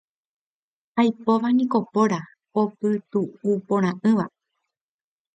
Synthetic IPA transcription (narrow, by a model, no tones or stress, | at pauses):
hajpo̞ʋanĩko̞po̞ɾa | opɨt̪uupõɾ̃ãʔɨ̃ʋa